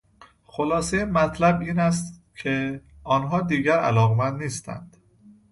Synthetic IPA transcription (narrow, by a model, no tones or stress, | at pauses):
xo̞lɒːsejemæt̪ʰlæbiːnæs̬t̪cʰeɒːnɦɒːd̪iːɟæɾæ̰lɒːɣemænd̪niːst̪æ̰nd̪̥